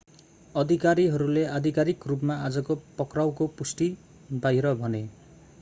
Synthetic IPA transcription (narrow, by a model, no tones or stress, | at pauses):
ɔd̪ʱikaɾiɦɔɾulead̪ʱikaɾikɾup̬maad͡ʒɔkopɔkɾawkopusʈi | baɦiɾɔbʱʌne